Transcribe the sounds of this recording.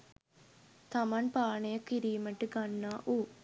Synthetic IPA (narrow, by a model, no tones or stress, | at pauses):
t̪amanpaːnejɐkːiɾiːməʈɨɡanːaːʔuː